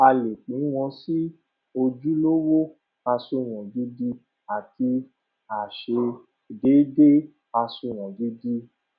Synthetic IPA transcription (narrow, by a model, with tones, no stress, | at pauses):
a˧le˨k͡pĩ˨˦w̃ɔ̃˧si˦ | o˧d͡ʒu˦lo˦wo˦ | a˧so˧˨w̃ɔ̃˨di˨˦di˦ | a˨ti˧ | a˨ʃe˧ | de˨˦de˦ | a˧so˧˨w̃ɔ̃˨di˨˦di˦